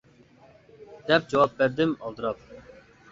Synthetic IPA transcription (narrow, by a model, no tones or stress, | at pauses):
d̪̥ɛp̚d͡ʒɑwɑp̚bɛɾd̪ɪmɑlˠd̪ɨɾɑp̚